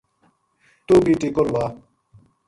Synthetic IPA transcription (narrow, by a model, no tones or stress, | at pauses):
t̪uːbiːʈikolwaː